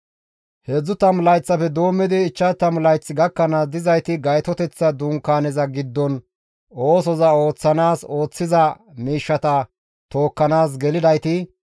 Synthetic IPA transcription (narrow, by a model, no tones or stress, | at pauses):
hɛd͡zːʊt̪ɐmlɐjt͡sːɐfɛd̪oːmːɪd̪ɪːt͡ʃːɐt̪ɐmlɐjt͡sːɪɡɐkːɐnaːsd̪ɪzɐjt̪ɪɡɐjt̪ɔt̪ɛt͡sːɐd̪uːŋkːaːnɛzɐɡɪd̪ːɔn | o̞ːsɔzɐo̞ːt͡sːɐnaːso̞ːt͡sːɪzɐ | miːʃːɐt̪ɐ | t̪o̞ːkːɐnaːs̬ɡɛlɪd̪ɐjt̪ɪ